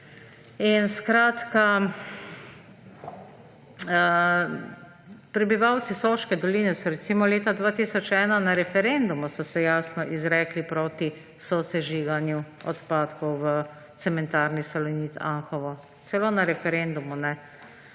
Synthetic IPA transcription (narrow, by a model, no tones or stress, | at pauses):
inskɾaːt̪ka | pɾɛbiʋawt̪sisoʃkɛd̪ɔliːnɛsɔɾɛt̪siːmɔleːt̪ad̪ʋaːt̪iːsɔt͡ʃɛːnanaɾɛfɛɾend̪umusɔsɛjaːsnɔʔizɾɛːklipɾoːt̪i | sɔsɛʒiːɡanjuɔ̰t̪paːt̪kɔwʋə | t̪sɛmɛnt̪aːɾnisalɔniːt̪aŋxɔʋɔ | t̪sɛloːnaɾɛfɛɾɛnd̪umunɛ